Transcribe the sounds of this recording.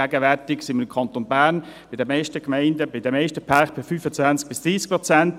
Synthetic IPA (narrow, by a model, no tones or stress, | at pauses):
æːɡəvɛɾtɪksɪnməɾɪmkʰɑnt̪onbæːɐn | b̥ɪdɛmɛʃtəkmɛɪndəbɪd̥əmɛɪʃtəpʰakb̥ɪfyːfət͡svant͡sk̚bɪsd̥ʁiːsk̚pʁɔt͡sænt